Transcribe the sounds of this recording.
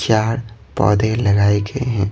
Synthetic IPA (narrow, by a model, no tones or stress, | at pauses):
jaːɾpɔ̰ːd̪elɐɡaːeɡəeɦɛ̃ː